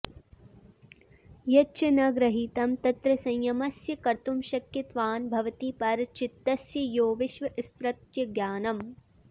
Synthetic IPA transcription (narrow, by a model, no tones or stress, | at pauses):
jɐt͡ʃɐnɐɡɾɐɦiːt̪ɐmt̪ɐt̪ɾɐsɐ̃jjɐmɐsjɐkɐɾt̪umʃɐkjɐt̪ʋaːnbʱɐʋɐt̪iːpɐɾt͡ʃit̪ːɐsjɐjoːʋɪʃʋɐʔist̪ɾɐt̪jɐɡjaːnɐm